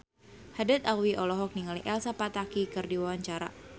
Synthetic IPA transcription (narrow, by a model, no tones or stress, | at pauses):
hadat̪alwiʔɔlɔɦɔk̚niŋaliʔɛlsapat̪akikɨrdiwawaɲt͡ʃaɾa̰